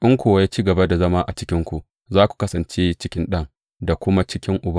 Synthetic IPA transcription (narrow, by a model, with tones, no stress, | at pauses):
ʔɪ˦ŋkʷoː˨wa˦ja˦t͡ʃiː˦ɡɐ˨ba˦da˨zɐ˦maː˦ʔa˨t͡ʃɪ˦kʲɪ˦ŋkʷu˨ʔ | zaː˦kʷu̥˨kɐ˦sɐ˨nt͡ʃeː˦t͡ʃɪ˦kʲɪ˦nɗɐ˦ŋ | da˨kʷʊ˦ma˦t͡ʃɪ˦kʲɪ˦ŋʔʊ˨ba˦